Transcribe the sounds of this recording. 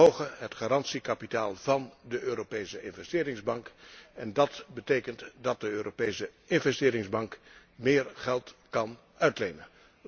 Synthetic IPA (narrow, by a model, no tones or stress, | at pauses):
owχəɦətχaːrɑntsikapitaːlˠvɑndəʔøːɾopejsəɪnvɛstɪːɾɪŋzbɑŋkɛndɑtbətejkəntdɑt̚dəøːropejsəɪnvɛstɪːɾɪŋzbɑŋk | mɪːɹχɛlˠtkɑn | œɥtlejnə